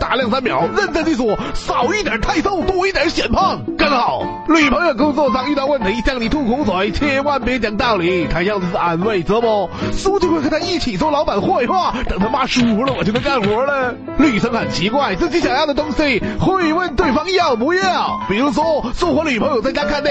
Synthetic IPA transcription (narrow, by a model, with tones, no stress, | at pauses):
t̪a˨˩˦ljɑ˥˩ŋsa˥nmjɑ̰˧˥ʊɻə˥˧nt͡sa˥˧ɪt͡ɕ̪i˥˩wɔ˧˩sɑ˨˩ʊi˥˩t̪̬jɑ˨˩t̪ʰa˥˧ɪso˥˧˩ʊt̪wɔ˥˩i˥˩jə˨˩˥ɕjɛ˨˩npʰɑ˥˩ŋkə˥˩nxɑ˨˩˦ʊ | ly˨˩pʰɤ˧˥ŋjo˨˩kʊ˥ŋt͡swɔ˥˧˩sʰɑ˥ŋy˥˧t̪ɑ˥˧wə˥˩nt̪ʰə˧˥i˧˩t͡ɕjɑ˥˩ŋni˨˩t̪ʰu˥˩kʰʊ˧˥ŋt͡sʰwɔ˨˧˩t͡ɕʰjɛ˥˧˥wa˥˩npjɛ˧˥t͡ɕjɑ˨˩ŋt̪a˥˩li˧˥t̪ʰa˧˥jɑ˥˩ʊ˧˩s̩˥˧˩a˧˩nwe˥˩ɪt͡sɤ˧˥mɔ˧˩su˥t͡ɕjxwxt̪ʰa˥i˥˩t͡ɕʰi˨˩t͡swɔ˥˩lɑ˧˥ʊba˨˩nxwɔ˥˧i˧˩˥xwa˥˩t̪ə˨˩ŋt̪ʰa˥ma˥˩ʂu˧˩u˧˥lə˧wɔ˨˩t͡ɕʰo˥d̪ka˥˩nxwɔ˧˥lə˧ | ly˨˩ʂə˧˥ŋxə˨˩nt͡ɕʰi˧˥kwa˥˩ɪt͡sɹ̩˥˩t͡ɕi˧˥ɕjɑ˨˩ŋjɑ˥˩də˩ʊ˥ŋsi˥xwe˥˩ɪwə˥˧nt̪we˥˩ɪfɑ˥ŋ˧jɑ˥˩ŋpu˧˥jɛ˥˩˨pi˨˩ɻu˥ʂwɔ˥swɔ˥˩xwɔ˧˥lə˧ly˨˩pʰjo˨˩ʊt͡sa˥˩ɪt͡ɕa˥kʰa˥˧n˥˧